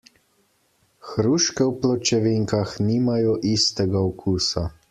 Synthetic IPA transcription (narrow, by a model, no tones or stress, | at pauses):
xɾuːʃkɛwplɔt͡ʃɛʋiŋkaxniːmajɔʔist̪ɛɡaɔkʰuːsa